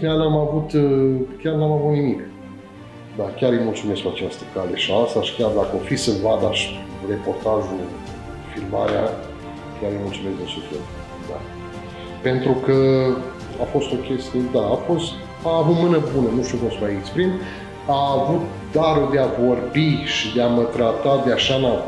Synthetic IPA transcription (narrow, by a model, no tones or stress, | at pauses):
meanamavut̪kʲarnamavut̪nimik | d̪akʲaɾɨjmult̪sume̞skuat͡ʃast̪əkale̞ʃiast̪aʃi̥kʲard̪akəofisɨnvad̪aʃre̞po̞rt̪aʒu | filma̰ɾea̰ | kʲaɾɨjmult̪sume̞sd̪esufḛl | d̪a̰ | pe̞nt̪ɾukə | afo̞st̪o̞kʲe̞st̪ijed̪aːfo̞st̪ | aːvut̪mɨnəbunənuʃt̪iukumsuait͡ʃpɾin | aːvut̪̚ | d̪aɾud̪eavo̞rbiʃid̪eamət̪ɾat̪ad̪eaʃana